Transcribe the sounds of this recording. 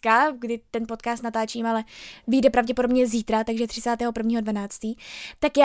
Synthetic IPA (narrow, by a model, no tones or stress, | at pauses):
kaɡdɪt̪ɛnpo̞t̪̚kaːst̪nat̪aːt͡ʃiːmalɛviːdɛpɾavɟɛpo̞dobɲɛziːt̪ɾat̪aɡʒɛt̪r̥ɪt͡saːt̪ɛːɦopr̩vɲiːɦo̞dvanaːt͡st̪iːt̪akja